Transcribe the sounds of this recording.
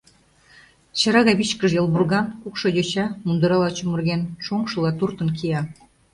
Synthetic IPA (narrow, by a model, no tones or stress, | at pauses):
t͡ɕɑɾɑɣɑβit͡ɕkəʒjɤlˠβurɣɑnkukʃojøt͡ɕɑmund̪əɾɑlɑt͡ɕumurɣenʃoŋʃɤlɑt̪urt̪ə̆nkijɑ